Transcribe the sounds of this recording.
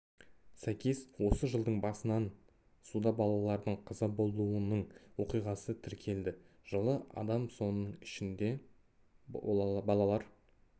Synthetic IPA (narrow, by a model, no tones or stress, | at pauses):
sækʲeswo̞səʒəlˠd̪əɴbɑsənɑn | sud̪ɑbɑlˠɑlˠɑɾd̪əɴqʰɑzɑbo̞lˠuənəɴwo̞qijʁɑsət̪ʰɪɾkʲʰe̞ld̪ɪ | ʒ̥əlˠəʔɑ̰d̪ɑmso̞nəɴɪʃɪnd̪e̞ | bɑlˠɑlˠɑɾ